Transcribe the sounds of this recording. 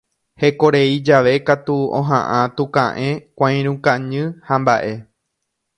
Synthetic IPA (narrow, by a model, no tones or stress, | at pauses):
he̞ko̞ɾe̞id͡ʒaʋe̞kat̪uõ̰ɦã̰ʔãt̪ukã̰ʔẽ̞kʷãj̃ɾ̃ũkãɲɨ̃hambaʔe̞